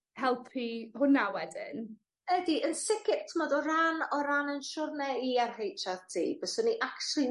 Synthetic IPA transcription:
hɛlˠpʰihʊnawɛdɪ̰n | ədiʔənsɪkʰɪp̚tʰəmɔdɔɾanɔɾanənʃʊrnɛiarɦejt͡ʃʰaðtʰḭːbəsɔniʔaktulˠi

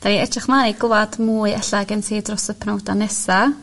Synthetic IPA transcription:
d̥aniɛtraχmaniɡʊwad̥muːɨɛɬaɡənsiːdrɔsəpʰnawdanɛsa

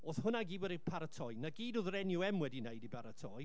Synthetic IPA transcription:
oːθhʊnaɡiːbwɛɾipʰaɾətʰɔjnaɡiːdoðɾɛnjʊɛmwɛdinejdibaɾətʰɔj

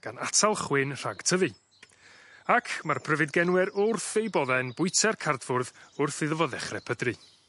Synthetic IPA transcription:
ɡ̥anatʰalˠχwɪnr̥a̰ɡtʰəvɨ | akʰmarpʰr̥əvɨdɡɛnwɛɾʊrθejbɔðɛnbʊɨtʰɛrkʰardvʊrðʊrθɪðəvɔðɛχrɛpʰədrɨ

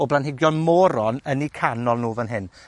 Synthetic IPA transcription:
ɔblˠanɦɪɡjɔnmɔːɾɔnənikʰanɔlˠnuːvənɦɪn

